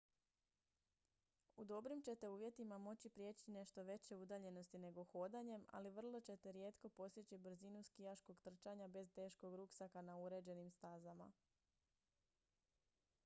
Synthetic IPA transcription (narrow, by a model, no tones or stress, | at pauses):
ud̪o̞bɾimt͡ɕe̞t̪e̞uːʋje̞t̪imamo̞t͡ɕipɾje̞ːt͡ɕine̞ʃt̪o̞ʋe̞t͡ɕe̞ud̪aʎe̞no̞st̪ine̞ɡo̞xo̞ːd̪aɲe̞ma̰liʋr̩lˠo̞t͡ɕe̞t̪e̞ɾje̞ːt̪ko̞po̞st̪jet͡ɕibr̩zinuskijaʃko̞ɡt̪r̩t͡ʃaɲabe̞zt̪e̞ːʃko̞ɡɾuksakanauɾe̞d͡ʑe̞nimst̪azama̰